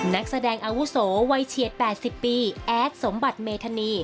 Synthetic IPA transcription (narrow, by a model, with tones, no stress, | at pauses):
na˦˥k̚sa˧dɛː˧ŋʔaː˧wu˦˥soː˩˦wa˧˥jt͡ɕʰi˨˩ət̪̚pɛː˨˩t̪̚si˨˩pːiː˧ʔɛː˦˥t̪̚so˩˦mba˨˩t̪̚meː˧t̪ʰa˧niː˧˩